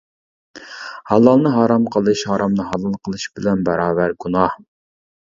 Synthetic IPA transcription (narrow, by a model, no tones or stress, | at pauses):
hɑlˠɑlˠnɨɦɑːɾɑmqʰəlˠɨʃhɑːɾɑmnɨɦɑlˠɑlˠqʰəlˠɨʃbɪlɛnbɑɾɑːvæɾɡunɑh